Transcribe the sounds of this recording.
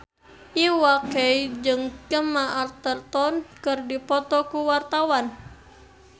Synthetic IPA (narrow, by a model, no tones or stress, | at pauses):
ʔiwakɛid͡ʒɨŋkəmaʔart̪ərt̪ɔnkɨrdipɔt̪ɔkuwart̪awan